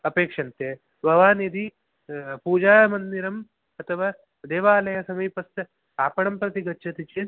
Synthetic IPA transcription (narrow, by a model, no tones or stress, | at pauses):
ɐpeːkʂɐnt̪jɐ | bʱɐʋaːnjed̪i | puːd͡ʒaːjɐmɐnd̪iɾɐm | ɐt̪ʰɐʋaː | d̪eːʋaːlɐjɐsɐmɐjpɐst̪ɐ | aːpɐɽɐmpɾɐt̪iɡɐtːʃʰɐt̪it͡ʃeː